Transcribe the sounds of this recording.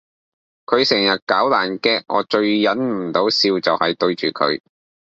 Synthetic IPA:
kʰɵ˨˧ɥsɛ˨˩ŋjɐ˨t̚kaː˨˥wlaː˨˩nkɛː˧ʔɔ̰ː˨˧t͡ʃɵ˧ɥjɐ˨˥nm̩˨˩t̪o˨˥wsiː˧wt͡sɐ˨whɐ˨jt̪ɵ˧ɥt͡ʃyː˨kʰɵ̰˨˧ɥ

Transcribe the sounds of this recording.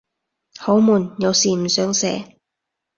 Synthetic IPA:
ho˨˥wmuː˨˩njɐ˨˧wsiː˨m̩˨˩sœː˨˥ŋsɛː˨˥

